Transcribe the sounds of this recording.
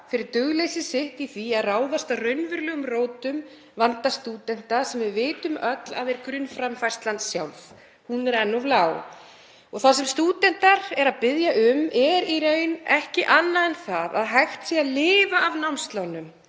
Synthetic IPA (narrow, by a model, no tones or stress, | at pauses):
fɪɾɪɾt̪ʏɣlejsɪsɪht̪iθviaðraːwðast̪arœɥnvʏɾlœːɣʏmroːwt̪ʏm | vant̪ast̪uːt̪ɛn̥t̪asɛmvɪðvɪːt̪ʏmœt̪la̰ðɛɾkɾʏnfɾamfajst̪lant̪sjawlv | hunɛɾɛnːɔvlaːw | ɔɣθasɛmst̪uːt̪ɛn̥t̪aɾɛɾaðpɪðjaʔʏmɛɾiɾœːɥjnɛhcɪʔanːaðɛnθaða̰ðɦajxt̪siaðlɪːvaːvnawmst̪lawnʏm